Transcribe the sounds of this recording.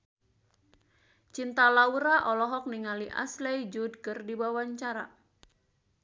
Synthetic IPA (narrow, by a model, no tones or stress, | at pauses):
t͡ʃint̪alauɾaʔɔlɔɦɔk̚niŋaliʔa̰slejd͡ʒud̚kɨrdibawaɲt͡ʃaɾa